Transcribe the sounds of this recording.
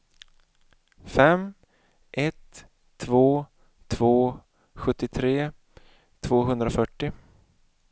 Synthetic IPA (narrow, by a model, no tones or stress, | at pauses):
fɛm | ʔɛt̪ʰː | voː | t̪ʰvoː | ɧɵt̪ːɪt̪ʰɾeː | t̪ʰvoːɦɵnd̪ɾafœʈːɪ